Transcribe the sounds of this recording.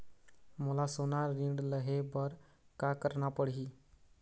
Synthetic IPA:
mulasonaɾiɳɖləɦebʌɾ | kakəɾnapəɽɦi

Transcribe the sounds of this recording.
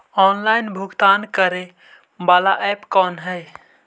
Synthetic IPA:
ɔnlaɪnbʱuɡt̪ankəɾe | balaʔɛpkɔnɦəj

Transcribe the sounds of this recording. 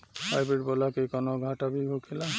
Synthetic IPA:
ajbiʈbɔlakejkɔnɔɡʱatabibʱokʰila

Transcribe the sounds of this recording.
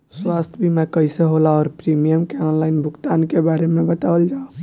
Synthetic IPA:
swast̪ʰjbimakəjseɦolaɔːɾpɾimijəmkeɔnlaɪnbʱukt̪ankebaɾemebət̪aəld͡ʒao

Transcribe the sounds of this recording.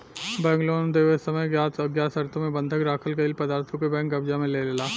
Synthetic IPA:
bɛ̃ːŋɡloːnd̪eːʋesəməjɡjaːt̪ɐɡjaːsɐɾt̪ʰõmẽbɐ̃nd̪ʱəkɾaːkʰəlkeɪlpɐd̪aːɾt̪ʰõkebɛ̃ːŋkɐbd͡ʒamẽleːlelaː

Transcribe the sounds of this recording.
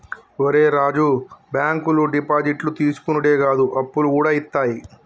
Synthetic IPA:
oɾeːɾaːd͡ʒubjaːŋkuluɖipaːd͡ʒiʈlut̪iːsu̥kunuʈeːɡaːd̪uʔɐpːulukuːɽaːit̪ːaːji

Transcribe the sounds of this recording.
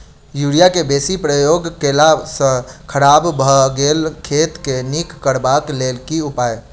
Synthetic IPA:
juɽijakebesipɾəjoɡkelasə̃kʰəɾabbʱəɡelkʰet̪kenikːəɾbaklelkiupae

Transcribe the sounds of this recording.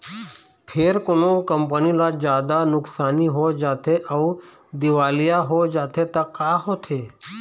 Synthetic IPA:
pʰeːɾkonokəmpənilad͡ʒaːd̪anʊksaːniɦod͡ʒaːt̪ʰeʔəu | d̪ɪʋaːlijaɦod͡ʒaːt̪ʰet̪akaːɦot̪ʰeː

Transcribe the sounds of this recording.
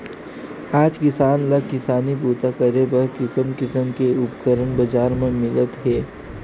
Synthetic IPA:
aːd͡ʒkɪsaːnlakɪsaːnibuːt̪akəɾebəɾkɪsəmkɪsəmkeʊpkəɾənbɐd͡ʒaːɾmẽmɪlət̪ɦɛː

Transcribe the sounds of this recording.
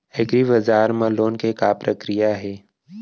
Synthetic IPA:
eɡɾiʋɐzaːɾmɐ̃loːnkekapɾəkɾijaɦɛː

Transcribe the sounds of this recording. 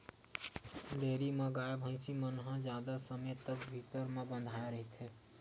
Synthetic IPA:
leːɾiməɡaːebʱə̃ɪ̃simənɦãd͡ʒjaːd̪asəmet̪əkbʱit̪əɾmẽbə̃nd̪ʱaːeɾəɦit̪ʰe

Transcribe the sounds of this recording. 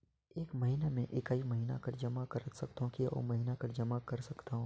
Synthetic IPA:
eːkmɐɦinamẽʔɪkaːimɐɦiːna̰kɐɾd͡ʒɐmakɐɾət̪sɐkt̪aɦõkiaɔ̰ːmɐɦiːnakɐɾd͡ʒɐmakɐɾsɐkt̪aɦũː

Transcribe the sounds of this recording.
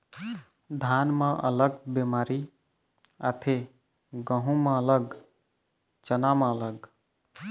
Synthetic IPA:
d̪ʱanmẽʔə̰ləɡbemaɾi | a̰t̪ʰe | ɡə̃ɦũmeələɡ | t͡ʃənameələɡ

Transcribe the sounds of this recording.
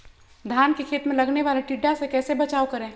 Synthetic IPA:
d̪ʱjaːnkekʰeːt̪mẽlɐɡneʋaːleʈiɖːasekɛːsebɐt͡ʃaːokɐɾẽː

